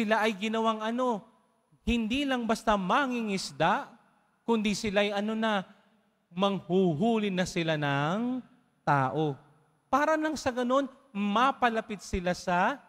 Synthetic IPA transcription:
sɪlaʔɐjɡɪnɐwaŋɐno̞ | hɪnd̪iːlɐŋbɐst̪amɐŋɪŋɪsd̪aʔ | kʊnd̪isɪlajʔɐno̞nɐ | mɐŋhuɦuːlɪnɐsɪlanɐŋ | t̪aːʔo̞ | paːɾɐlɐŋsɐɡɐno̞n | mapɐlɐpɪt̪̚sɪlasɐ

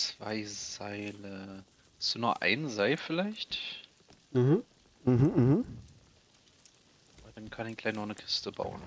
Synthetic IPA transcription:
t͡sv̥a̰ɪzaɪlə | sd̥uːnuɐʔa̰ɪnzaɪlfɪlaɪçt | m̩hm̩ | m̩hm̩ːhm̩ | d̥ankʰanɪçɡ̥laɪçnɔχnəkʰɪ̥stəba̰ʊn

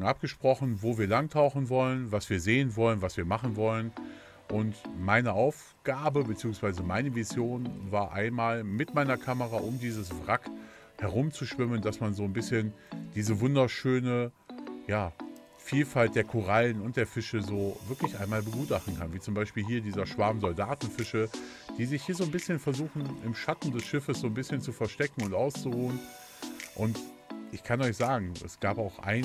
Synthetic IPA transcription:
ʔap̚ɡ̥əʃpʁ̥ɔχn̩voːviːɐlaŋtʰaʊχn̩vɔlənvasv̥iːɐzeːənvɔlənvasv̥iːɐmaχn̩vɔlən | ʔʊntmaɪnəʔaʊf | ɡ̥aːbəbət͡siːʊŋsv̥aɪzəmaɪnəvizjoːnvaːɐʔaɪnmaːlmɪtmaɪnɐkʰaməʁaʔʊmdiːzəsvʁak | hɛɐʁ̞ʊmt͡suʃv̥ɪmənd̥asmanzoːnbɪsçənd̥iːzəvʊndɐʃøːnə | jaː | fiːlfalt̚d̥eːɐkʰoʁalənʊnt̚d̥eːɐfɪʃəzoːvɪɐklɪçʔaɪnmaːlbəɡuːtaχtn̩kʰanviːt͡sʊmbaɪʃpiːlɦiːɐdiːzɐʃv̥aɐmzɔldaːtn̩fɪʃə | d̥iːzɪçhiːɐzoːnbɪsçənfɛɐzuːxn̩ɪmʃatn̩dɛsʃɪfəsz̥oːnbɪsçənt͡sufɛɐʃtɛkŋ̩ʊntʔaʊst͡suʁuːən | ʔʊnt | ʔɪçkʰanɔʏçz̥aːɡŋ̩ɛ̰sɡ̥aːpaʊxʔa̰ɪ

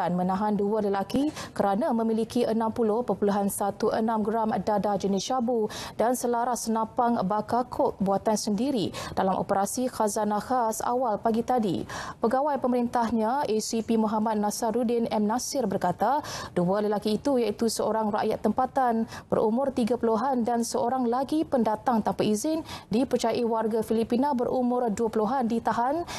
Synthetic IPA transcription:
anmənãɦandualəlakikəɾanamə̃milikiʔənãmpulʊhpəpuluɦansat̪uʔənãmɡɾamdadad͡ʒənɪst͡ʃabudansəlaɾasənãpaŋbakakʰʊk̚buat̪ansəndiɾid̥alamʔo̰pəɾasixazanahasa̰walpaɡit̪adḭpəɡawajpəməɾint̪ahɲãʔesipimɔɦamat̪̚nasaɾudɪnɛmnasɪrbərkat̪adualəlakiːt̪ujait̪usəoɾaŋra̰ʔjat̪ːəmpat̪anb̥ə̰ɾʔumʊrt̪iɡapuluɦandansəoɾaŋlaɡipəndat̪aŋt̪ampaizɪndipərt͡ʃajaʔiwarɡafilipinabəɾʔumʊrduapuluɦandit̪aɦan

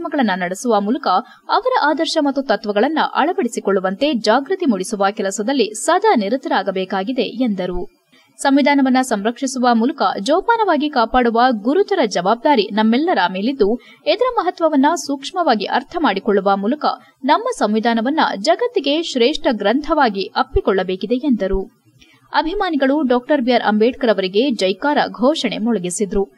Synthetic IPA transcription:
mɐɡɐɭɐnːɐnɐɽesuʋɐmuːlɐkɐː | ʋɐɾɐʔaːd̪ɐɾʃɐmɐt̪ːut̪ɐt̪ʋɐɡɐɭɐnːɐ̰ʔɐ̰ɭɐbɐɽisikoɭːuʋɐnt̪e̞d͡ʒaːɡɾɨt̪imuɽisuʋɐkɛlɐsɐd̪ɐlːisɐd̪ʱɐniɾut̪ɐɾɐaːɡɐbɛːkaːɡid̪e̞end̪ɐɾu | sɐmʋid̪ʱaːnɐʋɐnːɐsɐmɾɐkʂisuʋɐmuːlɐkɐ̰d͡ʒɔːpaːnɐʋaːɡikaːpaːɽuʋɐɡuɾut̪ɐɾɐd͡ʒɐʋaːb̚d̪aːɾinɐmːɛlːɐɾɐmeːlid̪ːu | ed̪ɐɾɐmɐɦɐt̪ʋɐʋɐnːɐsukʂmɐʋaːɡiʔɐɾt̪ʰɐmaːɽikɔɭːuʋɐmuːlɐkɐ̰ | nɐmːɐsɐmʋid̪ʱaːnɐʋɐnːɐ̰d͡ʒɐɡɐt̪ːiɡe̞ʃɾeːʂʈɐɡɾɐnt̪ʰɐʋaːɡiʔɐpːikɔɭːɐbeːkid̪e̞end̪ɐɾu | ɐbʱimaːniɡɐɭuɖɔːk̚ʈɐɾbijɐɾʔɐ̰mbeːʈ̚kɐɾɐʋɐɾiɡe̞d͡ʒɐjkaːɾɐ̰ɡʱɔːʂɐɳe̞̰mɔɭɐɡisid̪ɾu

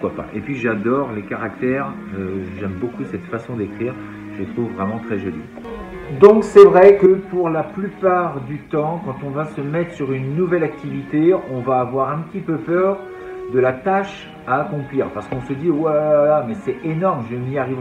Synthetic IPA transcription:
pukwapa̰ʔepɥiʒad̪ɔʁlekaʁak̚t̪ɛʁ | øʒɛmbokusɛt̪fasɔ̃d̪ekχiːʁ | ʒət̪χuvːʁɛmɑ̃t̪χɛʒolḭ | d̪ɔ̃ksɛvʁɛkəpuʁlaplypaʁd̪yt̪ɑ̃kɑ̃t̪ɔ̃vasəmɛt̪χə̥syʁynːuvɛlak̚t̪ivit̪eɔ̃vaːvwaʁɛ̃pət̪ipøpœʁ | d̪əlat̪aʃ | aːkɔ̃pliːʁpaʁsə̥kɔ̃səd̪iwɛlamɛsɛenɔʁmʒəmiaʁiv

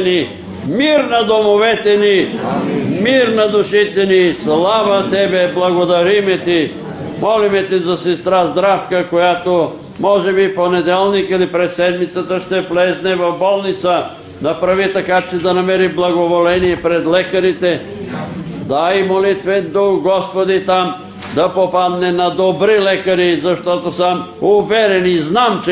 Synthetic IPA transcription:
ni | miɾnɐd̪omovɛt̪ɛni | miɾnɐd̪ʊʃit̪ɛnislˠavət̪ɛbɛblˠɐɡod̪ɐɾimɛt̪i | mɔlimɛt̪izɐsɛst̪ɾazd̪ɾafkəkojat̪o | mɔʒɛbiponɛd̪ɛlˠnikilipɾɛt̪sɛd̪mit̪sət̪əʃt̪ɛplɛznɛvɐvbɔlˠnit̪sə | nɐpɾɐvit̪ɐkat͡ʃ̪id̪ɐnɐmɛɾiblˠɐɡovolɛnijɛpɾɛd̪lɛkɐɾit̪ɛ | d̪ajmolit̪vɛd̪uxɡɔspod̪it̪am | d̪ɐpopad̪nɛnɐd̪obɾilɛkɐɾizɐʃt̪ɔt̪osəmuvɛɾɛniznamt͡ʃ

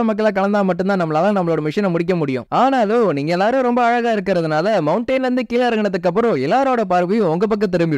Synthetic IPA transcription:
ɐmɐk̬ːɐɭaːkɐɭɐnd̪aːmɐʈːɯ̃nt̪ãːnɐmːɐlɐːlãːnɐmːɐɭoːɽɐmɪʂɐnɐmʊɽɪk̬ːɐmʊɽɪjʊ̰̃aːnaːloniːŋɡɐɛlːaːɾɯ̃ɾɔmbɐːɻɐɣaːɪɾɯk̬ːɪɾɐðɯnaːlɐmɐʊɳʈɐːnʋɐnd̪ɯkiːlɐɾɐɡɐnɐt̪ːɯkːɐp̬ːɯɾɔ̃ɛlːaːɾoːɽɐpaːɾʋɪjʊ̃ɔŋɡɐp̬ɐk̬ːɐt̪ːɛɾɯmbɪ

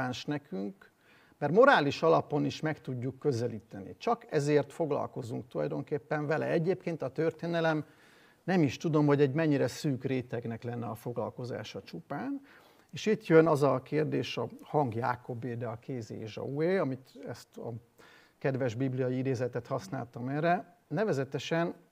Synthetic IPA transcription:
aːnʃnɛkyŋk | mɛrmo̞ɾaːliʃɒlɒpo̞niʃmɛkt̪uɟːukːø̞zɛliːt̪ɛnḭt͡ʃɒkɛzeːrt̪fo̞ɡlɒ̰lko̞zuŋk̚t̪ulɒ̰jd̪o̞ŋkeːpːɛɱvɛlɛ̰ɛɟeːpkeːnt̪ɒt̪ørt̪eːnɛlɛm | nɛmiʃt̪ud̪o̞mho̞ɟɛɟmɛɲːiɾɛsyːkreːt̪ɛɡnɛklɛnːɛɒfo̞ɡlɒ̰lko̞za̰ːʃɒt͡ʃupaːn | eːʃit̪jønɒzɒkeːrd̪eːʃɒhɒŋɡjaːko̞beːd̪ɛɒkeːzḛeʃɒ̰ueːɒmit̪ɛst̪ɒ̰ | kɛd̪vɛʒbiblijɒjiid̪eːzɛt̪ɛt̪hɒsna̰ːlt̪ɒmɛrɛ | nːɛvɛzɛt̪ɛʃɛn

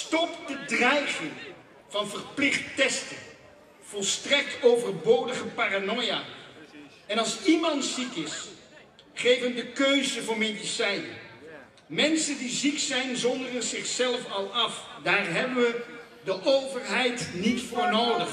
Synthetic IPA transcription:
stɔpdədrɛjχɪŋ | vɑnvərplɪχttɛstən | v̥ɔlˠstrɛk̚towvərbordəχəpaːranɔjaː | ɛnɑlˠsimɑntsikɪs | χejvəndəkøɥzəvʊːɹmedisɛjnə | mɛnsəndiziksɛjnzɔndərənzɪχsɛlˠfɑlˠɑfdaːrɦɛbənʋə | dəʔowvərɦɛjtnitfʊːɹnowdəχ

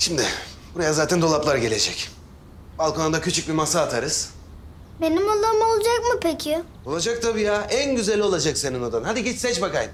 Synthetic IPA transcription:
ʃimd̪ɪ | b̥uɾajazaːt̪ʰɛnd̪o̞lˠaplˠaɾɟe̞lʲe̞d͡ʒɛc | balˠkʰonund̪acʰyt͡ʃʰyc̚bimasaːt̪ʰaɾɯz̥ | be̞nimolːˠamolˠd͡ʒakmɯpʰecʰɪ | olˠad͡ʒak̚t̪ʰabiːjaʔænɟyzɛlʲːo̞lˠad͡ʒakse̞ninad̪amɯnɦad̪iɟɛt͡ʃsɛt͡ʃbakajn

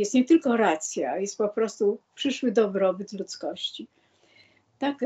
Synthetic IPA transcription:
jɛst̪ɲɛt̪ɘlkɔɾat̪sʲjajɛst̪̚pɔpɾɔst̪upʂɘʂwɘd̪ɔbɾɔbɘt̪lut̪skɔɕt͡ɕi | t̪ak

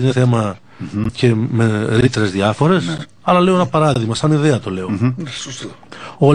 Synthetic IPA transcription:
ineθe̞mɐ | ce̞meɾit̪eɾe̞zðiɐfo̞ɾe̞s | ɐlɐleoenɐpɐɾɐððiɣmɐsɐniðe̞ɐt̪o̞le̞o̞ | o

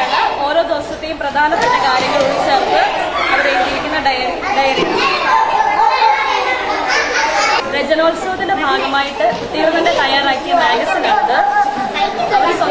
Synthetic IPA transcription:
o̞ːɾo̞ːd̪osɐt̪ːe̞jumprɐd̪ʱaːnɐp̪ːɐʈːikaːɾjɐŋːɐɭuɽit͡ɕːɐːrp̪ɨ | ɐʋɐɾejumd͡ʑiɾikʲːunːɐɖɐjɐ | ɖɐjɐɾikʲːunːɐ | red͡ʑɐnoːlsoːd̪ilɨbʱaːɡɐmaːjiʈːɨud̪ːiɐnːɐndet̪ɐjaːraːkːijɐmeːjɐsilaːɳɐðɨ | ɐjkʲːɐɐʋɐɾsɐ

